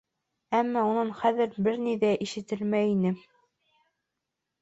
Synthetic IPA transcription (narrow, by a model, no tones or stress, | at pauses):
æmːæunɤɴχæðɘ̆ɾbɘɾniðæʔiʃɘ̆t̪ɘlmæinɘ